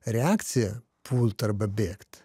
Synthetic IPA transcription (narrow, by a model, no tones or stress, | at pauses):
ɾʲɪakt̪sʲɪjɐ | pʰulʲˠt̪ɐrbɐbʲekt̪